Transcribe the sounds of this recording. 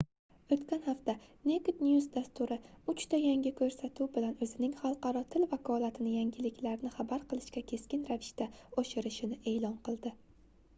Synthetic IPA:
ɵt̪kʲanhaft̪anekt̪njusd̪ast̪ʊɾɪʊt͡ʃt̪ʰajaŋʲɪkʰɵɾsat̪ʰubɪlanɵzɪnɪŋχɑlˠqɑɾɒt̪ʰɪlvakʰɒlat̪ʰɪnɪjaŋʲɪlɪkʲlaɾnɪχabaɾqʰɨlˠɪʃkʲakʲʰe̞skʲɪnɾavɪʃt̪aɒʃɪɾɪʃɪnɪʔe̞ːlˠɒnqɨlˠd̪ɪ

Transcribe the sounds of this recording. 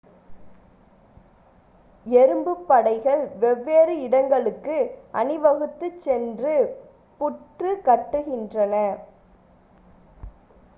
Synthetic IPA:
ɛɾɯmbɯpːɐɽɐɪɣɐɭʋɛʋːeːɾɯɪɽɐŋɡɐɭɯkːɯʔɐnɯʋɐɣɯt̪ːɯt͡ʃːɛndrɯ | pʊʈrɯkɐʈːɯɣɪndrɐnɐ

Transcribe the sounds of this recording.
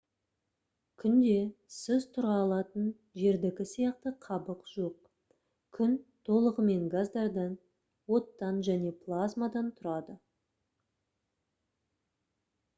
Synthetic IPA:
kʲʰʏnd̪e̞sɪzt̪ʰʊɾɑːlˠɑt̪ən | ʒe̞ɾd̪ɪkʲɪsijɑqt̪əqʰɑbəqʒ̥o̞q̚ | kʲʰʏnt̪ʰo̞lˠəʁəme̞ŋɡazd̪ɑɾd̪ɑn | wo̞t̪ːɑnʒæne̞plˠazmad̪ɑnt̪ʰʊɾɑd̪ə

